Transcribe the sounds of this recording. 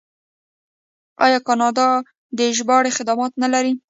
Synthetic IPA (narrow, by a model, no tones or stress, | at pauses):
ɑ̰jɑkɑnɑd̪ɑ | d̪əʒbɑɽexɪd̪ɑmɑt̪nalaɾi